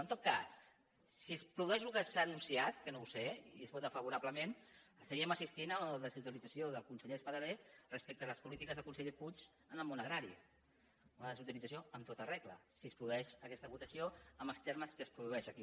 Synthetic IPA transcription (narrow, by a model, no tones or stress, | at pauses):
ənt̪ot̪̚ka̰sː | ispɾuðuɛʃlukəsanunsiat̪kənowseiiəspɔt̪əfəβuɾabləmenəst̪əɾiəməsist̪inənəəðəzut̪ilid͡zəsioðəlˠkunsəʎespəðəɾerəspek̚t̪ələspulit̪ikəzðəkunsəʎeput͡ʃ | ənəlˠmonəɣɾaɾḭ | unəðəzut̪ilid͡zəsioəmt̪ot̪ərɛɣlə̰sispɾuðuɛʃəkɛst̪əβut̪əsioəməlˠst̪eɾməskəspɾuðuɛʃəki